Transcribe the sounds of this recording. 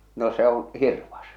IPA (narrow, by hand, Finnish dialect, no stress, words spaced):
no se õː hirʋɑs